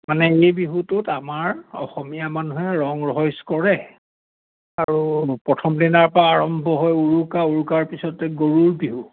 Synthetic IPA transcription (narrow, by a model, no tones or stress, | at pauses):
manɛejbiɦutʊtamaɹɔ̰xɔmijamanuɦɛɹɔŋɹɔɦɔjskɔɹɛ | aɹupɹɔtʰɔmdinaɹpaːɹɔmbʱɔɦɔjuɹukauɹukaɹpisɔtɛɡoɹuɹbiɦu